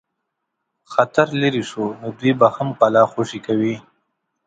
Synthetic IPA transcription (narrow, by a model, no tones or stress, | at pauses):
xat̪aɾləɾiʂunod̪wibahamqalɑxoʂikawi